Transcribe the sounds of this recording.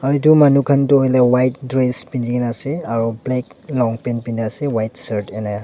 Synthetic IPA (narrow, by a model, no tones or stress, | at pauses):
aɹitumanukʰantʊhojlɛwajt̚dɹespindikɛnasɛaɹublɛklɔŋpɛnpindiasɛwajtsaɹtɛnaj